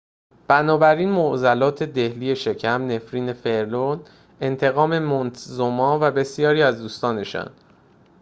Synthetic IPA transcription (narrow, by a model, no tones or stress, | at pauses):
b̥ænɒːbæɾiːnmoʔzælɒːt̪ʰe̞d̪e̞hliːe̞ʃe̞cʰæmne̞fɾiːne̞fe̞ɾlon | e̞nt̪ʰe̞ɣɒːme̞mont̪ʰzomɒːvæbe̞sijɒːɾiːæzd̪uːst̪ɒːne̞ʃɒ̰n